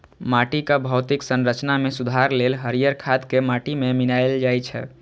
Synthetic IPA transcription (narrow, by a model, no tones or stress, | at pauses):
maʈikabʱəwt̪iksənɾət͡ʃnamesud̪ʱaɾlelɦəɾijəɾkʰad̪kemaʈimeminajld͡ʒajt͡ʃʰɛ̰